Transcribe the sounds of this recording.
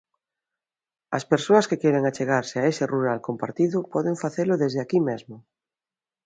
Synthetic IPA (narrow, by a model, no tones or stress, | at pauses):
aspeɾsoɐskekjeɾeŋat͡ʃeɣaɾseaeseruɾalkompa̰ɾt̪iðʊpɔðeɱfaθelʊðezðeakimezmʊ